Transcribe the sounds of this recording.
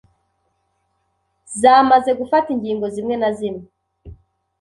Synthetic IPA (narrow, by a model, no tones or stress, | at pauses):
zaːmaze̞ɡufatiŋɡiːŋɡo̞zimŋe̞nazime